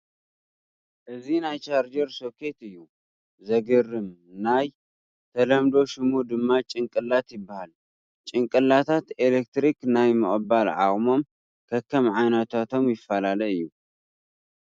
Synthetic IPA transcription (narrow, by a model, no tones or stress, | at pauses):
ʔɨzinajt͡ʃʼaɾd͡ʒɐɾso̞kʰe̞t̪ɨjːu | zɐɡɨrːɨmnaj | t̪ʰɐlɐmd̪o̞ʃɪmud̪ɨmːat͡ʃʼɨŋkʼɨlːat̪jɪbːahal | t͡ʃʼɨŋkʼɨlːat̪ʰat̪elek̚t̪ɾiknajmɨχʼɨbalʕa̰χʼmo̞m | kʰɐkʰːɐmʕajnɐt̪ʰat̪ʰo̞mjɪfːalalɐɨjːu